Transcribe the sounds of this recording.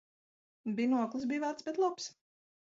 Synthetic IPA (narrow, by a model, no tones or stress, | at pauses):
binuɔklˠɨs̬biːvaːt̪sbɛt̪lˠups